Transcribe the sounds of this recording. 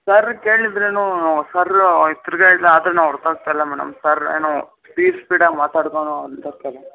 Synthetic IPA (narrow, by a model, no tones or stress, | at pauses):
sɐɾkeːɭid̪ɾenuːnasɐɾit̪ːuɾɡeɭleaːd̪ɾenaːʋɐɾt̪aːɡ̚t̪aːilːɐmɛːɽɐ̰msɐɾḛːno | piːɾspiːɽamaːt̪aːɽkoːnuːɐnd̪ɐɾkele